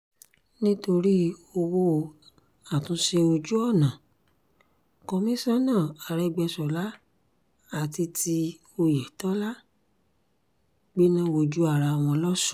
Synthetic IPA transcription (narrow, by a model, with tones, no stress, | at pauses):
nĩ˦to˧ɾi˦o˧wo˧ | a˦˨tũ˨˦ʃe˧o˧d͡ʒu˦ɔ˦˨nã˨ | kɔ˧mĩ˦sa˦nãː˦˨a˨ɾɛ˧ɡ͡bɛ˧sɔ˨la˦ | a˦˨ti˧tʰi˧ | o˧jɛ˨tɔ˨˦la˦ | ɡ͡bi˦nã˦wo˧d͡ʒu˦a˦˨ɾa˧˨w̃ɔ̃˧lɔ˦sũ̥˦